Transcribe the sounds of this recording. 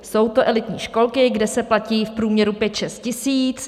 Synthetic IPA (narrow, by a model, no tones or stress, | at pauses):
so̞wt̪o̞ʔɛlɪt̪ɲiːʃko̞lkɪɡdɛsɛplaciːfpɾuːmɲɛɾupjɛt̪ʃɛst̪̚cɪsiːt͡s